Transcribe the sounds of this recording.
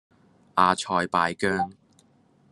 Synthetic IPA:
ʔaː˨˧t͡ʃʰɔː˨˧jpaː˨˧jkœː˥ŋ

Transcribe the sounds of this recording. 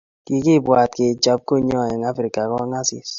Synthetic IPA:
ki˨ki˦bwa˨tke˨t͡ʃa˦p̚ko˦ɲɔ˦˨jɛ˨ŋa˦fɾi˨ka˨kɔ˦ŋa˦sḭ˨s

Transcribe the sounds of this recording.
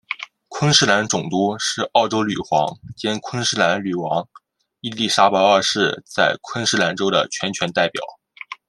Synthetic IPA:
kʰwə˥ŋʂɻ̩˥˩la˧˥nʈ͡ʂʊ˨˩ŋt̪u˥ʂɻ̩˥˧ɑ˥˩ʊʈ͡ʂo˥ʊly˨˩xwɑ̰˧˥ŋt͡ɕjɛ˥nkʰwə˥ŋʂɻ̩˥˩la˧˥nly˨˩wɑ˧˥ŋ | i˥˧li˥˩ʂa˥pə˧˥ə˞˥˧ʂɻ̩˥˧t͡sa˥˩ɪkʰwə˥ŋʂɻ̩˥la˧˥nʈ͡ʂo˥ʊd̪ə̰˨t͡ɕʰɥɛ˧˥nt͡ɕʰɥɛ˧˥nt̪a˥˩ɪpjɑ̰˨˩˦ʊ

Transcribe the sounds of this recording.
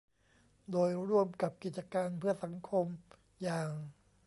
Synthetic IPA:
doː˧jɾu˥˩əmka˨˩p̚ki˨˩t̪̚t͡ɕa˧kaː˧npʰɯ˥˩ɐsa˩˦ŋkʰo˧m | jaː˨˩ŋ

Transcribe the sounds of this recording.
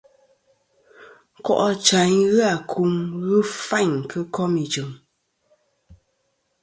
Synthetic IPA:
kɔ̰˦˨ʔɔ˦t͡ʃa˨˦ɲɣɨ˦a˨kʰu˨˦mɣɨ˦fa˦˨ɲ˨kʰɨ˦kɔ˦mi˨d͡ʒɨ˨ŋ

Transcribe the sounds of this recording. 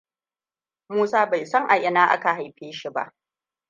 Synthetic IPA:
muː˦saː˦ba˨jsɐ˦ŋʔa˨ʔɪ˦naː˦ʔa̰˦ka˨ɦa˨jɸeː˦ʃi˦ba̰˦ʔ

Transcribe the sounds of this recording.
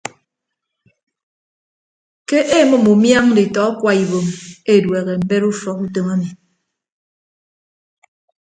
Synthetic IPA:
ke˦ʔe˦mɔ˦mu˨mja˦ŋdi˨tɔ˨˦a˦kwa˨i˨βo˨me˦˨dwe˨ɣe˨m̩˦be˦ɾu˦fɔ˨ku˦to˦ma˦mi˨

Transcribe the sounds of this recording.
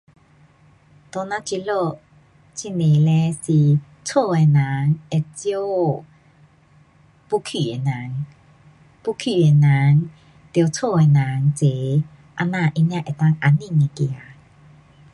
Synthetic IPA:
t̪o˧˨na˧t͡ɕi˧˨lo˧˨ | t͡ɕi˧˨ne˨lɛ˧˦si˧˨ | t͡sʰo˥˧˨ɛ˨na˨˦ŋɛ˧˨t͡sjo˦ | pu˦˧kʰi˧˨ɛ˨na˨˦ŋ | pu˧˨kʰy˧˨ɛ˨na˨˦ŋ | t̪i˧o˧t͡sʰo˥˧˨ɛ˨na˨˦ŋt͡se˨ | ʔa˧na˧˨ʔi˧nja˧ʔɛ˨t̪a˧ŋʔa˨ni˦˧˨ŋɛ˨ki˧˨a˨

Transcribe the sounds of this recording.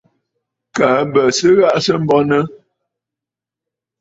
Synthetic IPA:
ka˨˦bə˨sə˦ɣa˦ʔsə˦m̩˦bɔ˦nə˦

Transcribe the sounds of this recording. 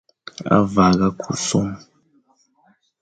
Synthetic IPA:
a̰˦va˨ɣa˦kʰu˨sɔ˦ŋ

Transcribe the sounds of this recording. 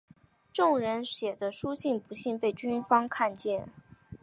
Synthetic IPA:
ʈ͡ʂʊ˥˩ŋɻə˧˥nɕjɛ˨˩d̪ə˦ʂu˥ɕi˥˩npu˧˥ɕi˥˧npe˥˩ɪt͡ɕy˥nfɑ˥ŋkʰa˥˧nt͡ɕjɛ˥˩n

